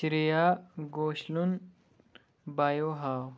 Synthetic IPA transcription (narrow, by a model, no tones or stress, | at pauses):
siɾijaɡoːɕlun | baːjoɦaːw